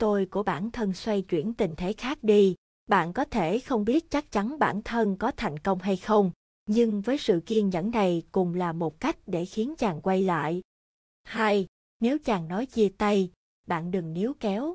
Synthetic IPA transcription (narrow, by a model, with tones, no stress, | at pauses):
t̪o˧jku˧˩əɓa̰ː˧˩nt̪ʰə˧nswa˧jt͡ɕwḭ˧˩ənt̪i˨˩ŋ̟t̪ʰe˨˦xaː˦˥k̚ɗi˧ | ɓa̰ː˧˨nkɔ˨˦t̪ʰe˧˩xə˧wŋ͡mɓi˦˥ət̚t͡ɕa˦˥k̚t͡ɕa˨˦nɓa̰ː˧˩nt̪ʰə˧nkɔ˨˦t̪ʰa˨˩jŋ̟kə˧wŋ͡mɦa˧jxə˧wŋ͡m | ɲɨ˧ŋvəː˨˦jsɨ̰˧˨ki˧ənɲə̰˧˥nːa˨˩jkʊ˨˩ŋ͡mlaː˨˩mo˨˩t̚ka˦˥jk̟̚ɗe˧˩xi˨˦ənt͡ɕaː˨˩ŋkwa˧jla̰ː˧˨j | ha˧j | ne˨˦wt͡ɕaː˨˩ŋnɔ˨˦jzi˧˩ət̪a˧j | ɓa̰ː˧˨nɗɨ˨˩ŋni˨˦əwkɛ˨˦w